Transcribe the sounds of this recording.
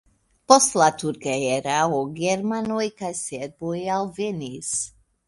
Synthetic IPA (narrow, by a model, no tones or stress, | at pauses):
pɔst̪lat̪uɾkaɛɾaoɡɛɾmanojkajsɛɾbojalˠvɛnis